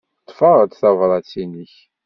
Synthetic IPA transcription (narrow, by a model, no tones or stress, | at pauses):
t̪ˤːfɑʁət̪θɑvɾˤɑt͡sːinəç